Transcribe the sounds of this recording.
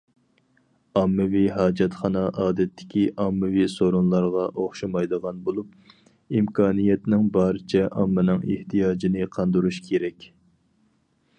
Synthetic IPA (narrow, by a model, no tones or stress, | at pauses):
ɑmːɨviɦɑːd͡ʒɛt̪χɑnɑʔɑːd̪ɛt̪ʰːɪ̥kʲʰiʔɑmːɨvisoɾonlˠɑɾʁɑʔoχʃɑmɑjd̪əʁɑnbolˠup̚ | imkʰɑːnijɛt̪nɪŋbɑːɾɨt͡ʃʰɛʔɑmːɨnɨŋḛht̪ʰijɑːd͡ʒinɨqʰɑnd̪uɾuʃkʲʰeɾɛkʲ